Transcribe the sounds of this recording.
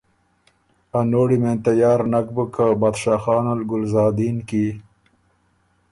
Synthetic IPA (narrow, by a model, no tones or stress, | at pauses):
anoːɽiment̪ajɑːɾnak̚bəkʰəbaːd̪ʃɑːxɑːnalɡʊlzɑːd̪iːnki